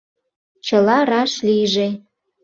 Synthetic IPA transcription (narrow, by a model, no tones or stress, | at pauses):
t͡ɕəlɑrɑʃlijʒe